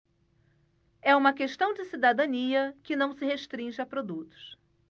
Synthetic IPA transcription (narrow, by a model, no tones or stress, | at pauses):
ɛũmɐkeʃt̪ɐ̃w̃d͡ʒɪsid̪ad̪ɐ̃niɐkɪnɐ̃w̃sɪheʃt̪ɾĩʒɪɐpɾod̪ut̪ʊ̥s